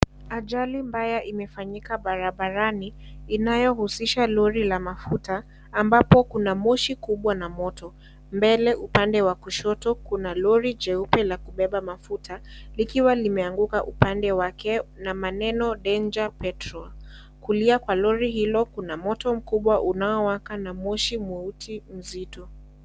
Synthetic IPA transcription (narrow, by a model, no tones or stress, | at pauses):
aʄalimbajaʔimɛfaɲikaɓaɾaɓaɾaniːnajɔhusiʃalɔɾilamafutaː | mbapɔkunamɔʃikuɓwanamɔtɔ | mbɛlɛʔupandɛwakuʃɔtɔkunalɔɾid͡ʒɛupɛlakuɓɛɓamafutʰalikiwalimɛaŋɡukaʔupandɛwakɛnamanɛnɔɗɛnd͡ʒapɛtɾɔ | kuliakwalɔɾiɦilɔkunamɔtɔm̩kuɓwaʔunaɔwakanamɔʃimuutʰim̩zitɔ